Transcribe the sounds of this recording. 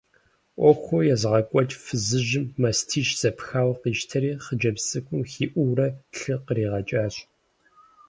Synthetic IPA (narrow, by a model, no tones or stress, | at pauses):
ʔʷɔxʷojɛzʁɐkʷʼɔt͡ʃʼfɨzɨʒɪmːɐstʰiːʃz̥ɐpxaːwqiːʃtʰɐɾiːχəd͡ʒɐbsʼɨkʷʰʼʊmxiːʔʷuːrɐɬɨqəɾiːʁɐt͡ʃʼaːɕ